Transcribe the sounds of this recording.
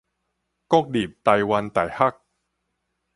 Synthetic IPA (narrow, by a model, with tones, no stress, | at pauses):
koː˥˩k̚diː˨˩p̚t̪a˧˩jwa˧nt̪a˨˩jha˥˩k̚